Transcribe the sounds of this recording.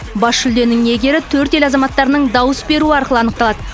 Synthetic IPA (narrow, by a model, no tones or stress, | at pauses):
bɑsʃʏld̪e̞nɪŋe̞ɡʲe̞ɾɪt̪ʰɵɾt̪e̞lɑzɑmɑt̪ːɑɾnəɴd̪ɑwəsbe̞ɾuɪɑɾqəlˠəɑnəqt̪ɑlˠɑd̪ə